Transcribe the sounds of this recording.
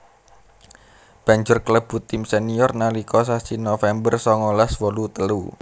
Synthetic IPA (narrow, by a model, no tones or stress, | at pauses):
b̥ä̤ɲd͡ʒʊrkələb̥ṳt̪imsɛniɔrnalikɔsasinofɛmbərsɔŋɔlaswolut̪əlṵ